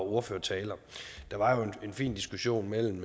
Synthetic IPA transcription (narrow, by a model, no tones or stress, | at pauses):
oɐføːɐt͡sʰɛːlɐd̥ɑ̈ʋɑ̈jo̝ee̝nfḭːnd̥isɡ̥uɕo̝̰ːnmel̰m̩